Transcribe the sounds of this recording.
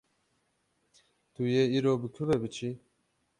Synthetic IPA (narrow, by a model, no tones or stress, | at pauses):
t̪ujeiːɾoːbɨkʰɨvɛbɨt͡ʃʰi